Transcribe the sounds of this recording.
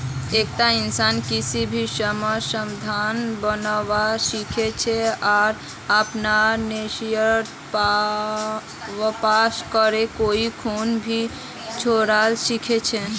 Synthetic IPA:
ek̚t̪ainsankisibʱisəməsəmd̪ʱanbənəwasikʰet͡ʃʰɛaɾ | əpnanesjəɾ | p | ʋəpaskəɾekoikʰonbʱi | t͡ʃʰoɾalsikʰet͡ʃʰɛ

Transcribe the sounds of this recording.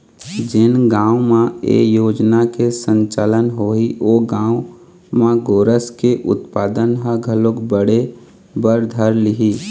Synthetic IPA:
d͡ʒɪnɡãːʊmãḛjoːd͡ʒnakesə̃ɲt͡ʃaːlənɦoioɡãːʊ | mãɡoːɾəskeʔʊ̰t̪paːd̪ənɦə̃ɡʱəlokbəɽe | bəɾd̪ʱəɾlɪɦiː

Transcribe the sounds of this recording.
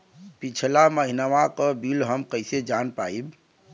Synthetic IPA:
pit͡ʃʰlaməɦinəʋakəbilɦəmkəjsed͡ʒanpa̰ib

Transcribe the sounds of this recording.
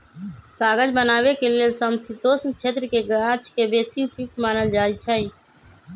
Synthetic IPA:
kaːɡəd͡ʒbənaːbekelelsəmsit̪oːsnt͡ʃʰeːt̪ɾəkeɡəat͡ʃʰkebeːsiupuk̚ʈmaːnəld͡ʒaːit͡ʃʰəĩ

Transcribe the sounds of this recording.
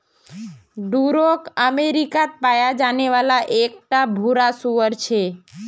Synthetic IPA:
ɖuɾokəmeɾikat̪̚pajad͡ʒaneʋalaʔek̚ʈabʱuɾasuʋəɾt͡ʃʰe

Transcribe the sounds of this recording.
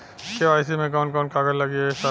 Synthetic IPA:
keaːɪsimẽkɔːnkɔːnkaːɡəɾlɐɡisa

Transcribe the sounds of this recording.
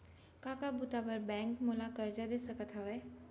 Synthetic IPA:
kaːkabʊt̪abəɾbɛ̃ːŋkmolakəɾd͡ʒad̪eːsəkət̪ʰɦaʋɛː

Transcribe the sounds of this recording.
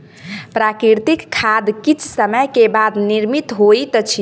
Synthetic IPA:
pɾakɾiɾt̪ikkʰːad̪kit͡ʃʰsəməjkebad̪niɾmit̪ɦojt̪ət͡ʃʰi

